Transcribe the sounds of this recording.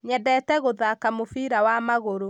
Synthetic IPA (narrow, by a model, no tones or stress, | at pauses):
ɲɛdɛtɛɣoðakamofiɾawamaɣoɾo